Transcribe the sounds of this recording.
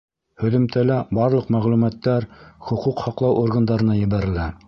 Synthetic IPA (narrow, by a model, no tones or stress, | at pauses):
hɵ̆ðɘ̆mt̪ælæbɑɾlˠɤqmæʁlumæt̪ːæɾχŏquqhɑqlˠɑwʔoɾɣɤ̆nd̪ɑɾɤ̆nɑjɘ̆βæɾɘ̆læ